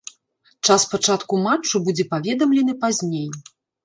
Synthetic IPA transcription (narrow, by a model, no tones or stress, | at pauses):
t͡ʂaspat͡ʂat̪kumat͡ʂːubud͡zʲɛpavʲɛd̪ɐmlʲɛnɨpazʲnʲej